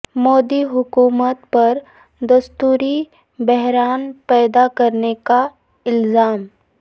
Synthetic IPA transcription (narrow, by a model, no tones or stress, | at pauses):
moːd̪iɦʊkuːmət̪pɐɾ | d̪ɐst̪uːɾi | bɛɦɾaːnpɛːd̪akɐɾneka | ɪlzaːm